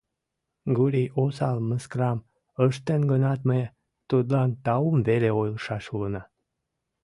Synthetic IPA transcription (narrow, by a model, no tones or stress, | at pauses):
ɡuɾijosɑlməskrɑm | əʃt̪enɡənɑt̪məj | t̪ud̪lɑnt̪ɑumveleojlʃɑʃulənɑ